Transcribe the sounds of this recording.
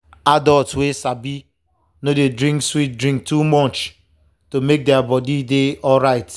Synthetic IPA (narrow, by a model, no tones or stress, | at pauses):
adɔltwesabi | nodedɾĩŋkswit̚dɾĩŋk̚tumɔt͡ʃ | tomek̚deabɔdideɔlɾaɪt